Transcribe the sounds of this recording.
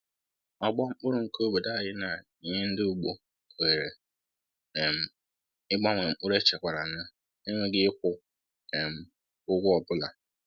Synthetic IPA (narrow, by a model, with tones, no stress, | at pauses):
ɔ˨ɡ͡bɔ˦ŋ͡m̩˦k͡pʊ˦ɾʊ˨ŋ̩˦ko˦bo˨da˦˨jɪ˦na˨ | i˨ɲɪ˦n̩˦dɪ˦u˨ɡ͡bo˨ | e˨ɾe˨ | m̩˨ | ɪ˦ɡ͡ba˦ŋʷe˨ŋ͡m̩˦˨k͡pʊ˦ɾe˦t͡ʃe˨kʷa˨ɾa˨n̩˦na˦ | ɪ˦ŋʷe˦ɡɪ˦ɪ˦kʷʊ˦ | e˨m̩˨ | ʊ˦ɡʷʊ˦ɔ˨bʊ˦la˨